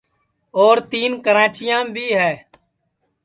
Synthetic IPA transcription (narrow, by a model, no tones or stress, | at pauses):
oːɾt̪iːnkəɾãːt͡ʃɪjãːbʱiːɦɛː